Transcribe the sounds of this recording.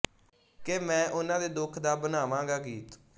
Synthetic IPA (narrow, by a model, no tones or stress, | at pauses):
keːmɛ̃ːʔʊnãːd̪eːd̪ʊkʰd̪aːbənaːʋãːɡaːɡiːt̪